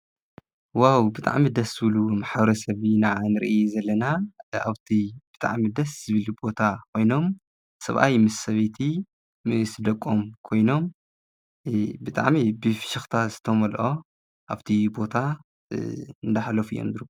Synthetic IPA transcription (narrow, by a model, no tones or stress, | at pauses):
wawbɨt̪ʼʰa̰ʕmid̪ɐszɨβɨlumaħbɐɾɐsɐβinanɨɾʔzɐlːɐnaa̰βt̪ʰib̥ɨt̪ʼa̰ʕmid̪ɐsz̥ɨβɨlbo̞t̪ʰakʰo̞jno̞m | sɐ̰βʔa̰jmɨsɐβet̪ʰi | sɨd̪ɐkʼːomkʰo̞jno̞m | bɨt̪ʼa̰ʕmibɨfʃɪxt̪ʰazɨ̥t̪ʰɐmɐlʔo̞ | ʔaβt̪ʰibo̞t̪ʰa | ɨnd̪aħlɐfujomnd̪ɾu